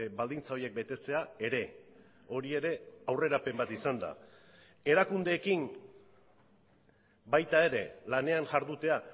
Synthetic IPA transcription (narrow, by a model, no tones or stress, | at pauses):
bald̪int͡sao̞je̞k̚be̞t̪e̞t͡se̞ae̞ɾe̞ | o̞ɾie̞ɾe̞awre̞ɾape̞mbat̪isand̪a̰ | e̞ɾakund̪e̞ːkin | bajt̪ae̞ɾe̞lane̞anʝaɾðut̪e̞a